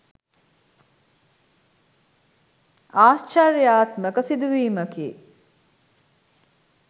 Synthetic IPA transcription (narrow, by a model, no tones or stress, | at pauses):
aːst͡ʃɐɾjaːt̪məkəsid̪uʋiːməkḭː